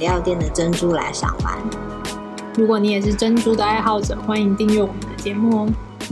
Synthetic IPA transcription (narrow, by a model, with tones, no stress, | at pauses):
ljɑ˥˧ʊt̪jɛ˥˩nd̪ə˩ʈ͡ʂə˥nʈ͡ʂu˥la̰˧˥ɪʂjɑ̰˨˩ŋwa̰˧˥n | ɻu˧˥kwɔ˧˩ni˧˥jɛ˨˩ʂ̬ɻ̩˥˩ʈ͡ʂə˥nʈ͡ʂu˥d̪ə˩a˥˧ɪxɑ˥˩ʊʈ͡ʂɤ˨˩xwa˥ni˧˨˥ŋt̪i˥˧ŋɥɛ˥˩wɔ˨˩mə˨˦nd̪ə˧˩t͡ɕjɛ˧˥mu˥˩˦